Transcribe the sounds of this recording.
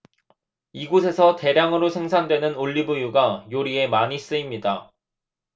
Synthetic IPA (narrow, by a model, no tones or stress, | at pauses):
iɡosʰe̞sʰʌte̞ɾjaŋɯɾosʰe̞ŋsʰandwe̞nɯnoʎːibujuɡajoɾie̞maɲis͈ɯimɲida